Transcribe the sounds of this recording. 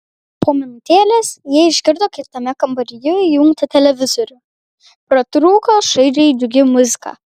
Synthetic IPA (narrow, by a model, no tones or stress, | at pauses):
poːmʲɪnʊt̪ʲeːlʲeːsjiɛɪʒʲɡʲɪɾd̪oːkʲɪt̪ɐmʲɛkɐmbɐɾʲɪjoːjjʊŋkt̪ɐt̪ʲɛlʲɛʋʲɪzɔɾʲʊ | pɾɐt̪ɾuːkoːʃɐɪɾʲɛd̪ʲʊɡʲɪmʊzʲɪkɑ̰ː